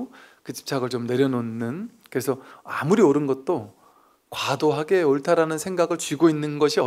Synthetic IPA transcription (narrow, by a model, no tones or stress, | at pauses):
kɯt͡ɕi̥p̚t͡ɕʰaɡɯɭt͡ɕomne̞ɾjʌnonːɯn | kɯɾe̞sʰʌa̰muɾioɾɯnɡʌt̚t͈o | kwadoɦaɡe̞oɭtʰaɾanɯnsʰeŋɡaɡɯɭt͡ɕɥiɡoinːɯnɡʌɕʰiʌ